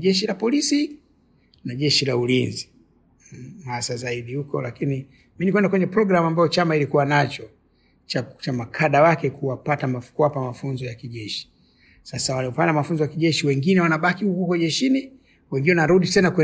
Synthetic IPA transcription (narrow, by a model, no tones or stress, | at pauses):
ʄɛʃilapɔlisi | naʄɛʃilaulinzi | hasazaiɗihukɔlakini | minikwɛndakwɛɲɛpɾɔɡɾamambajɔt͡ʃamailikuwanat͡ʃɔ | t͡ʃat͡ʃamakʰaɗawakɛkuwapatamafu̥kuwapamafunzɔjakiʄɛʃi̥ | sasawanaɔpandamafunzɔjakiʄɛʃiwɛŋɡinɛwanaɓakiukukɔʄɛʃini | wɛŋɡiwɛanaɾuɗisɛnakwɛ